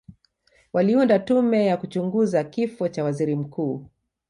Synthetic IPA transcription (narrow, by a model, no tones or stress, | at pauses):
waliundatumɛjakut͡ʃuŋɡuzakifɔt͡ʃawaziɾim̩kuː